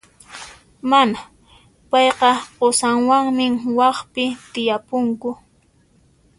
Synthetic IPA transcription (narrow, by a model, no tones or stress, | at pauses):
mana | pɑjqɑqosaŋwaŋmɪŋwɑχpɪt̪ɪjapʊŋkʊ